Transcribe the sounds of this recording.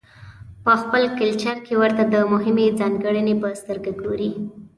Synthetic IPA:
pəxpəlkəlt͡ʃaɾkewəɾt̪ad̪əmʊɦɪmed͡zɑŋɡəɽənepəst̪əɾɡaɡoɾi

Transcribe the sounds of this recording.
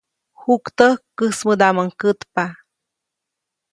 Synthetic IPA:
hukt̪əkəsməd̪aməŋkət̪pa

